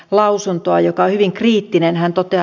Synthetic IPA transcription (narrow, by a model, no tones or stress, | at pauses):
lɑusunt̪oɑjokɑohyʋiŋkriːt̪ːinenhænt̪ot̪e